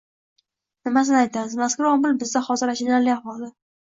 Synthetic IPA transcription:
nɪmas̬ɪnɪajt̪ʰamɪzmaskʊɾɒmɪlbɪzd̪aχɒzɪɾaʃɪnaɾlɪavɒlˠd̪ɪ

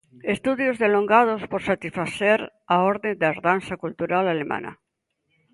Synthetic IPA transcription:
est̪uðjozðeloŋɡað̞ospoɾsat̪isfaθeɾ | aoɾðend̪aɾðansakult̪uɾalalema̰na̰

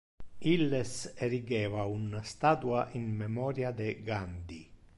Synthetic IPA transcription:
ilːeseɾiɡɛːvaunast̪aːt̪uaʔinmemɔːɾjad̪eɡand̪i

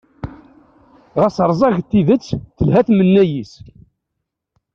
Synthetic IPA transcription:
ʁəsəɾˤzˤɑʝt̪ːiðət͡sːθəlɦæθmənːæjis

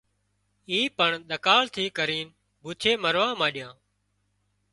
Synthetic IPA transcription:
iːpəɳɗ̪əkaːɭt̪ʰiːkəɾiːn | buːt͡ʃʰeːməɾʋãːmãːɗɪjãː

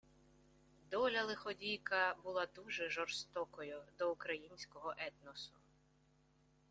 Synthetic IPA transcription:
d̪ɔlʲɐlˠɪxɔdʲijkɐbʊlˠad̪uʒɛʒɔrst̪ɔkɔjʊd̪ɔukɾɐjinʲsʲkɔɦɔʔɛt̪nɔsʊ

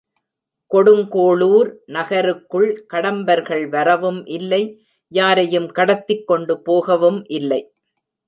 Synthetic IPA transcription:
kɔɽɯŋkoːɭuːɾnɐɣɐɾɯkːɯɭkɐɽɐmbɐɾɣɐɭʋɐɾɐʋɯmʔɪlːɐɪ | jaːɾɐjɯmkɐɽɐt̪ːɪkːɔɳɖɯpoːɣɐʋɯmʔɪlːɐɪ

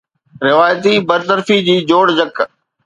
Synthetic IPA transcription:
ɾɪʋaːjt̪ibɐɾt̪əɾfid͡ʑiːd͡ʑoːɽd͡ʑɐk

